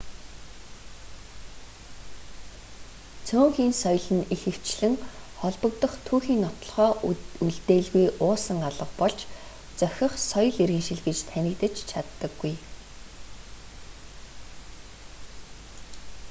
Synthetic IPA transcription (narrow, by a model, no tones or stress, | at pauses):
t͡sʰʊːŋxiːnsɔjɮɘ̆nixɘ̆w̥t͡ɕɮɘ̆ŋχɔɮpɞ̆kt̪ə̆χt̪ʰuːxiːnːɔt̪ɞ̆ɮχɔːuɮt̪eːɮɣujʔʊːsə̆ŋaɮə̆χpɔɮt͡ɕ | t͡sœxʲɪ̆χsɔj̆ɮiɾɣɘ̆ːŋʃiɮɣɘ̆t͡ɕt̪ʰænʲɪ̆kt̪ɘ̆t͡ɕt͡ɕʰat̪ːə̆ɡːuj